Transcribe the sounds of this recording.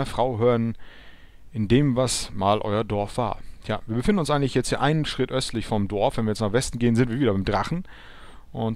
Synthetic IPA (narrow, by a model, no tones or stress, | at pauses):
ɐfʁ̥aʊɦøːən | ʔɪndeːmvasmaːlʔɔ̰ʏɐdɔɐfv̥a̰ːɐjʰa̰ːviːɐbəfɪndn̩ʊnsʔaɪɡŋtlɪçjɛt͡sthiːɐʔaɪnənʃʁ̥ɪtʔœstʰlɪçfɔmdɔɐfv̥ɛnviɐjɛt͡snaːχv̥ɛstn̩ɡeːənzɪntv̥iːɐviːdɐbaɪmdʁaχn̩ | ʔʊnt